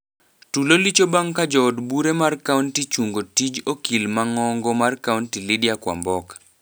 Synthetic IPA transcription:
tulolit͡ʃobaŋkad͡ʒɔːdbuɾemarkauntit͡ʃuŋɡotid͡ʒokilmaŋɔŋɡɔmarkauntilidjakwa̰mbɔk

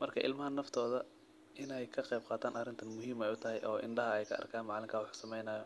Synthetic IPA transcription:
mɐrkʰɐʔɪlmɐɦɐnɐft̪ʰɔːðɐ | ɪnɛjkʰɐqɛjb̚qɑːt̪ʰaːnʔɐrɪnt̪ʰɐnmʊɦiːmɛjʊt̪ʰɐɦɛjʔɔːʔɪ̰ɳɖɐɦɐɛjkʰɐʔɐ̰rkʰaːnmɑʕlɪŋkʰaːwʊħu̥ːsɐmɛjnaːjɔ

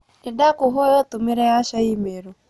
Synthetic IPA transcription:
idakuɦɔjɔt̪umiɾɛjaʃaimeɾɔ

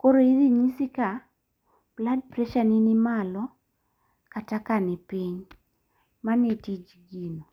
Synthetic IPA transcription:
koɾoiðiɲisika | b̥lad̚pɾɛʃaninɪmalɔ | katakanɪpiɲ | manitid͡ʒɡino

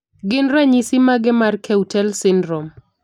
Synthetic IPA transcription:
ɡɪnɾɛɲisimaɡɪmarkʰɛutɛlsɪndɾɔm

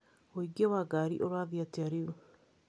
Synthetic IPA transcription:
oiɡewaɡaɾḭʔoɾaːðiateaɾio

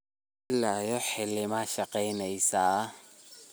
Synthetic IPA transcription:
ɪlːajɔħɪlɪmaʃɐqɛjnɛjsaː

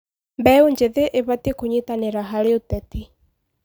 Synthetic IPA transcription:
mbɛuɲd͡ʒeðeʔeβatikuɲitaneɾaɦaleutɛti

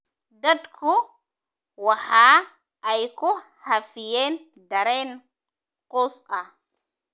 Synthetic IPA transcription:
dadkʰu | waha | ʔːjku | hafijɛːn | daɾen | qusa

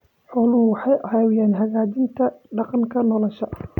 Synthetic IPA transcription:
ħɔːlʊʊwɑħɑjʔɐhaːwjɛːnɦɐɣaːdɪnt̪ʰɐɖɑqɑŋkʰɐnɔlɔʃɐ

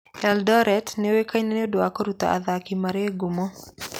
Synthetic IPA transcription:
ɛldɔɾɛtneowekaineneodoakoɾut̪a̰a̰ðakimaɾeɡomɔ

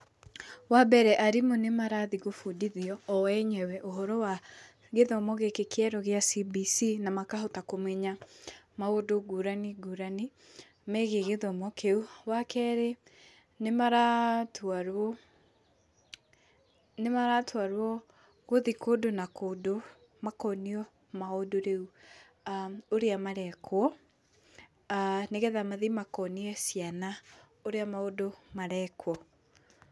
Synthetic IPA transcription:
wabɛɾɛʔaɾimonemaɾaðiɣofudiðiɔːɛɲɛwɛʔoɦɔɾɔwa | ɣeðɔmɔɣekekeɛɾɔɣeasibisinamakaɦotakomwɛɲa | maodoɡuɾaniɡuɾani | mɛɣeɣeðɔmɔkeuwakɛɾe | nemaɾataɾɔ | nemaɾatwaɾwɔ | ɣoðikoːdonakoːdo | makɔniɔ | maodoɾeu | aoɾeamaɾɛkʰwɔ | neɣɛðamaðimakɔniɛsiana | oɾeamaodomaɾɛkwɔ

